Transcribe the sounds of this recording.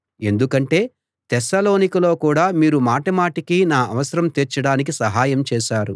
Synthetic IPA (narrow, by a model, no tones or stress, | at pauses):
e̞nd̪ukɐɳʈe̞ː | t̪ɛsaːlo̞ːnikɐlo̞ːkuːɽaːmiːɾumaːʈɐmaːʈikinaːɐʋɐsɐɾɐmt̪eɾt͡ʃɐɽaːnik̬isɐɦaːjɐmt͡ʃɛːʃaːɾu